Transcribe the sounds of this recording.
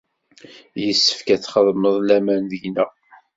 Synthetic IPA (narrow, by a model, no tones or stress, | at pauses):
jəsːə̥fkæt͡sːχəðˤməðˤlæmænðəʝnæ